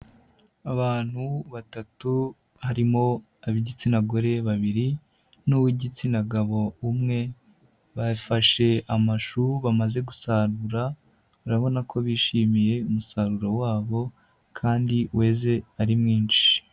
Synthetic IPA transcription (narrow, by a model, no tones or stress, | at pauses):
aβaːn̥huβatatu | haɾimo̞ | aβiɟit͡sinaɡo̞ɾe̞βaβiɾi | nuwiɟit͡sinaɡaβo̞umŋe̞ | βafaʃe̞amaʃuuβamaze̞ɡusaɾuɾa | uɾaβo̞nakʰo̞βiːʃiːmije̞umusaɾuɾowaːβo̞ | kʰaːndiwe̞ːze̞aɾimŋiːnt͡ʃi̥